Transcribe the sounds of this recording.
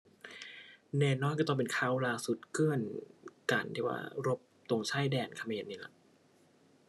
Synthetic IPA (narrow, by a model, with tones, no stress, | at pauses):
nɛː˧˩nːɔː˧˥˨ka˧t̪ɔ˧˩pe˧˨nkʰa˧˩wlaː˧˩su˨˩t̪̚kɯ˥˩ənka˨˩nt̪ʰiː˧˩wa̰ː˧˩ɾo˦˥p̚t̪o˨˧˩ŋsʰa˧˥˩jdɛː˧˩nkʰa˧meː˧˨nːiː˧˥˩la̰˧˩ʔ